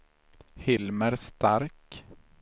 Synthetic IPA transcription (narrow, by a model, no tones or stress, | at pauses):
hɪlməɾst̪ʰaɾk